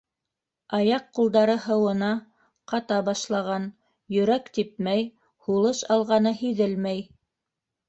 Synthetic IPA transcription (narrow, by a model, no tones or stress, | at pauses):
ɑjɑqːulˠd̪ɑɾɤɦɤ̆wɤ̆nɑ | qɑt̪ɑbɑʃlˠɑʁɑn | jɵ̆ɾækt̪ip̚mæj | hulˠɤʃɑlˠʁɑnɤhiðɘlmæj